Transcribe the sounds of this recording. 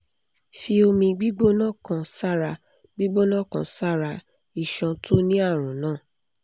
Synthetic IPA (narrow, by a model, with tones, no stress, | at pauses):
fi˧o˧mĩ˧ɡ͡bi˦ɡ͡bo˦nã˦˨kã˧sa˦˨ɾa˧ | ɡ͡bi˦ɡ͡bo˦nã˦˨kã˧˨sa˦˨ɾa˧ | i˦˨ʃɔ̃˧tʰo˦nĩ˦a˦˨ɾ̃ũ˨nãː˦˨